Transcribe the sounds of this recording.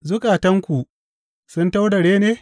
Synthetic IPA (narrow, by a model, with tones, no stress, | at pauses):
zʊ˦kaː˨tɐ˦ŋkʷu˨ | sʊ˦nta˦wda˨ɽeː˦neː˦